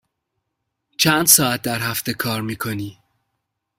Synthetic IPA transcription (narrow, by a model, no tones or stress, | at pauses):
t͡ʃʰænd̪sɒːæt̪̚d̪æɾɦæft̪e̞kʰɒːɾmiːkʰoniː